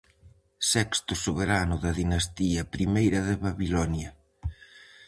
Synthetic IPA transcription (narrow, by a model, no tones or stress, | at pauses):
sɛkst̪ʊsoβeɾanʊðɐðinɐst̪iɐpɾimejɾɐðeβaβilɔnjɐ